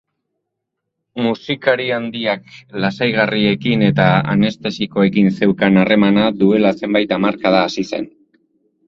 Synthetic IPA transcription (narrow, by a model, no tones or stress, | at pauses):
musikaɾiand̪iaklasajɣ̞arie̞kine̞t̪aa̰ne̞st̪e̞siko̞e̞kinse̞wkanare̞manaðue̞lase̞mbajt̪amaɾkaðaːsise̞̰n